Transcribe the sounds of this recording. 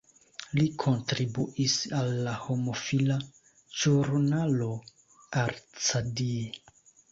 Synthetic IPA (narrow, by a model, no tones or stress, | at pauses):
likʰo̞ntɾibuʔisalːaho̞mo̞fila | ʒuɾnalo̞ | aɾt͡sadie